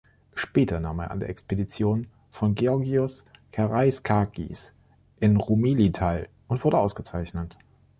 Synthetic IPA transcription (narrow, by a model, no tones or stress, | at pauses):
ʃpɛːtʰɐna̰ːmḛːɐʔa̰ndeːɐʔɛkspedit͡sjoːn | fɔnɡeɔɐɡiʊskʰaʁaɪskʰaɡḭs | ʔɪnʁumeːlitʰaɪl | ʊntv̥ʊɐdəʔaʊsɡ̥ət͡saɪçnət